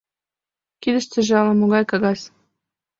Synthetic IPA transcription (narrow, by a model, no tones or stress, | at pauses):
kid̪ɘ̆ʃt͡sɘ̆ʒɑlɤ̆moɣɑjkɑɣɑsʲ